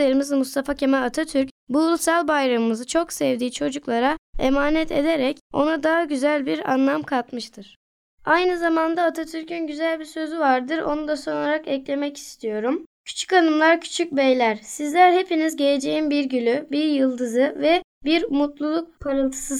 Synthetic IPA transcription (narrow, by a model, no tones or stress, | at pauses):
eɾimizmust̪ʰafacʰemɛat̪ʰat̪ʰyɾcbulsalˠbajɾamɯmɯzɯt͡ʃʰo̞ksɛvd̪iːt͡ʃʰo̞d͡ʒuklˠaɾaḛmaːnɛt̪ʰe̞d̪eɾɛco̞̰nad̪aɦaɟyzælʲbiɾa̰nlˠamkʰat̪mɯʃt̪ʰɯɾ̥ | ajnɯzamand̪aːt̪ʰat̪ʰyɾcʰynɟyzælʲbiɾsø̞zyvaɾd̪ɯɾo̞̰nud̪aso̞naɾakɛclʲe̞mɛci̥st̪ʰijo̞ɾumcʰy̥t͡ʃʰy̥canɯmlˠaɾcʰy̥t͡ʃʰyc̚bejlʲæɾ̥sizlʲæɾhe̞pʰinizɟe̞led͡ʒe̞jimbiɾɟylʲybiɾjɯlˠd̪ɯzɯvɛbiɾmut̪lˠulˠuk̚pʰaɾɯlˠt̪ʰɯ̥sɯ